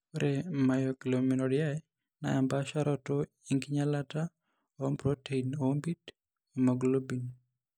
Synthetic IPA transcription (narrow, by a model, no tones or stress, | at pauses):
ɾʔemajɔkilominɔdɪjaɛ | na̰ɛmbaʃaɾɔtɔ | iŋɡiɲalata | ombɾotʰeinombit | omoɡlobin